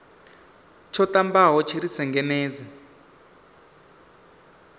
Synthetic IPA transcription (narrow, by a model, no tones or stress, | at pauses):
t͡ʃʰɔtambaɦɔt͡ʃʰiɾisɛŋɡɛneːd͡zɛ